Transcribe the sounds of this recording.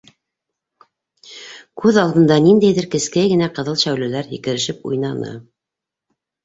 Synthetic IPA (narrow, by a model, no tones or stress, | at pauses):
kʰʉðɑlˠd̪ɤ̆nd̪ɑnind̪æjðɘɾkɘ̆skæɡɘ̆næqɤ̆ðɤlˠʃæwlɘ̆læɾɦikɘ̆ɾɘ̆ʃɘpṵjnɑnɤ̰